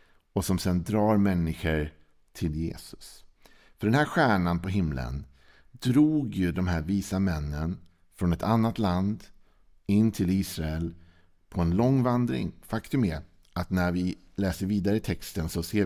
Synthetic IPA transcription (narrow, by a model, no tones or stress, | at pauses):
ɔsɔmsɛnd̪ɾɑːɾmɛnːɪɧəɾ | t̪ʰɪljḛːsɵ̥s | fœɖɛnhæːɾɧæːɳanpɔɦɪmlə̰n | d̪ɾuːɡjɵd̪ɔmɦæːɾviːsamɛnːən | fɾɔnɛt̪ʰanːat̪land̪ | ɪnːt̪ʰɪliːsɾaɛl | pʰɔɛnlɔŋːvand̪ɾɪ̰ŋfakt̪ɵmɛ | ʔat̪næɾvɪ | lɛːsəɾviːd̪aɾəɪt̪ʰɛkst̪ənsɔseː